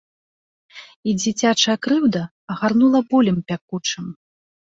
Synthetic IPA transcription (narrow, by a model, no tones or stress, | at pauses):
id͡zʲit͡sʲat͡ʂɐjɐkɾɨwd̪ɐ | ɐɣarnulˠɐbɔlʲimpʲakut͡ʂɨm